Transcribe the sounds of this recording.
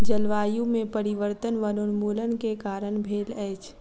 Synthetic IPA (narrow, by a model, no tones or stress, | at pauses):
d͡ʒəlʋaːjũmẽpəɾɪʋəɾt̪ənʋənʊnmuːlənkekaːɾənbʱeːlɛːt͡ʃʰ